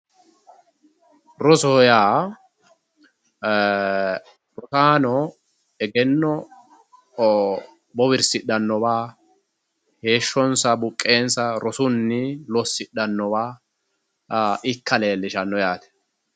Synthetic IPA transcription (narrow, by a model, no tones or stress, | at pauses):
ɾɔsɔjaː | ɾɔsaːnɔ | ɛɡɛnːɔ | bɔwɪɾsɪɗɐnːɔbaː | he̞ːʃːɔnsɐbʊkʼːe̞ːnsɐɾɔsʊnːɪlɔsːɪɗɐnːɔwaː | ɪkːɐleːlːɪʃɐnːɔjaːt̪ɛ̥